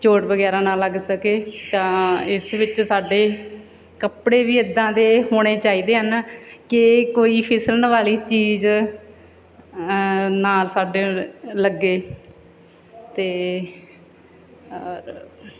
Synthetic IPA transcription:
t͡ʃoːʈbəɡɛːɾãːnaːləɡsəkeːt̪ãːɪsʋɪt͡ʃsaːɖeː | kəpɽeːʋiːɪd̪ãːd̪eːɦoːɽ̃eːt͡ʃaːiːd̪eːɦənkɪkoːiːpʰɪsələnʋaːliːt͡ʃiːz | naːlsaːɖeːləɡːeː | t̪eː | ɾ

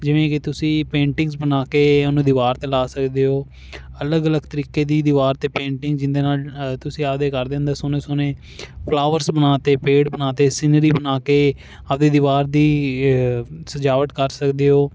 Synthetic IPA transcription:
d͡ʒɪʋẽːkɪt̪ʊsĩːpẽːɳʈɪ̃ŋɡsbənaːkeːənũːd̪ɪʋaːɾt̪eːlaːsəkd̪eːɦoː | ələɡələɡt̪əɾiːkeːd̪iːd̪ɪʋaːɾt̪eːpẽːɳʈɪ̃ŋɡd͡ʒɪnd̪eːnaːlt̪ʊsĩːap̚d̪eːkəɾd̪ẽːnd̪aːsoneːsonẽː | pʰlaːʋəɾsbənaːt̪eːpeːɖbənaːt̪eːsɪnəɾiːbənaːkeː | ap̚d̪eːd̪ɪʋaːɾd̪iː | səd͡ʒaːʋət̪kəɾsəkd̪eːɦoː

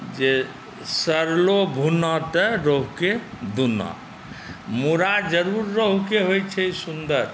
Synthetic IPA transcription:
d͡ʒe | səɾlobʱunɔt̪əɾoɦuked̪unɔ̰̃ | muɾad͡ʒəɾuɾːəɦukeɦojt͡ʃʰɛisund̪əɾ

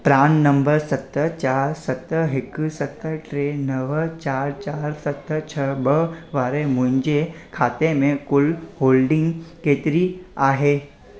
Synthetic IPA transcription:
pɾaːnːəmbəɾsət̪ːət͡ʃaːɾsət̪əɦeksət̪ːəʈɾenəʋət͡ʃaːɾt͡ʃaːɾsət̪ːət͡ʃʰəbəʋaːɾemund͡ʒekʰaːt̪emẽkulhoːlɖɪ̃ŋɡkeːt̪ɾiaːɦe

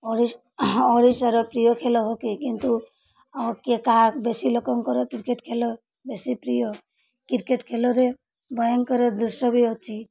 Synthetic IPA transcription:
oɾis | ɔɾisəɾopɾijokʰelɔɦokikint̪u | kekabesilɔkɔŋkɔɾɔkɪɾkeʈkʰelɔ | besipɾijo | kiɾkeʈkʰelɔɾe | bɔjɔnkɔɾɔd̪uɾsɔbiot͡ʃʰi

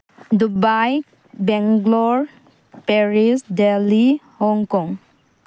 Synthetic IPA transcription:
dubaj | bɛŋɡlɔɹ | peɹisdelihɔŋkɔŋ

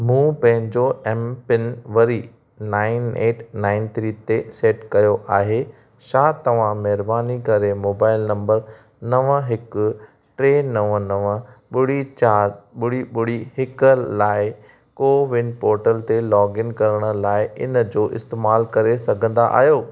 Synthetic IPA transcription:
mũːpɐ̃ɦɪ̃ɲd͡ʑoɛmpɪnʋɐɾi | naːɪneːʈʰnaːɪnt̪ʰɾiːt̪eseːʈkɐjoʔaːɦe | ʃaːt̪ɐʋ̤ãmɛɦɪɾbaːnikɐɾemoːbaːɪlnɐ̃mbəɾ | nɐʋəɦɪk | ʈɾeːnɐʋənɐʋəɓʊɽ̤it͡ɕaːɾɓʊɽiɓʊɽ̤iɦɪkəlaːɪ | koːʋɪnpoːɾʈəlt̪elɔːɡɪnkɐɾəɽ̃ə̆laːɪʔɪ̰nə̆d͡ʑoːʔɪ̰st̪eːmaːlkɐɾesɐɡʱə̃nd̪aʔa̰ːɦjoː

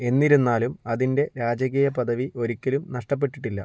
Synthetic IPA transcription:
e̞nːiɾunːaːlumɐðinde̞ɾaːd͡ʑɐɣɐjɐpɐðʱɐʋiʔo̞ɾukʲːɐlumnɐʂʈɐp̬ːe̞ʈːiʈːilːɐ̰

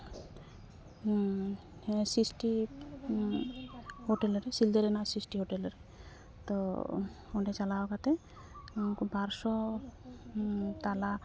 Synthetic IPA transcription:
sisʈi | hoʈɛlɔɾɛsild̪ɛɾɛnasisʈiɦoʈɛlɾɛ | t̪ɔ | ɔnɖɛt͡ʃalaɔkat̪ɛ | baɾsɔ | t̪ala

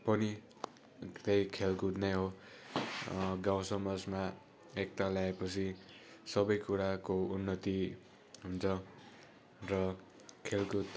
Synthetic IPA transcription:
pʌni | t̪ejkʰelkud̪nʌjɦo | ɡawsʌmʌd͡zma | ek̚t̪aljaepʌt͡sʰisʌbʌjkuɾakounːʌt̪i | ɦunt͡sʰʌ | rʌ | kʰelɡut̪

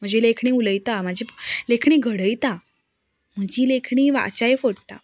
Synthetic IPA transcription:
m̤əd͡ʑelekʰɳiuləjt̪am̤əd͡ʑiplekʰɳiːɡʱəɽəjt̪a | m̤əd͡ʑiːlekʰɳiːʋa̰t͡ɕajfoɽʈ̪a̰

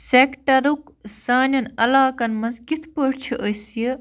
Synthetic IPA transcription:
seːkʈɐɾuksaːnɐnɐlaːkɐnmɐnzkit̪ʰpəɽt͡ʃʰiʔəjsje

